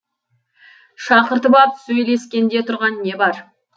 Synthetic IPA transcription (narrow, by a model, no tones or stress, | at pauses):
ʃɑqəɾt̪əbɑpsɵjle̞skʲe̞nd̪e̞t̪ʰʊɾʁɑnːe̞bɑɾ